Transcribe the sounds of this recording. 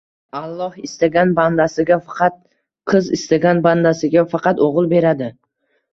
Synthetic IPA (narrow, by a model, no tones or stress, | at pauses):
alˠːɒhɪst̪aɡʲanband̪asɪɡʲafɑqʰɑt̪̚ | qʰɨzɪ̰st̪aɡʲanband̪asɪɡʲafɑqɑt̪oʁɨlˠbe̞ɾad̪ɪ